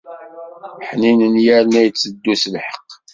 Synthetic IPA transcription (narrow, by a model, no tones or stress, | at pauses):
ħninənjæɾnæjət͡sːəd̪ːuslħə̥qː